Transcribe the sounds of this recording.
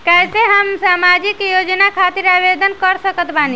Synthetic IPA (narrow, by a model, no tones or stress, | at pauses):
kɛseɦəmsaːmad͡ʒikjoːd͡ʒnakʰaːt̪iɾaʋed̪ənkəɾsəkət̪baːni